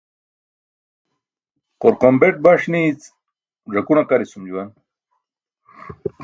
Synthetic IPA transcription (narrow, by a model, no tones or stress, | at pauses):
qoɾqombeʈ̚bɐʂnit͡s | ʐɐkunaqaɾisumd͡ʑuwɐn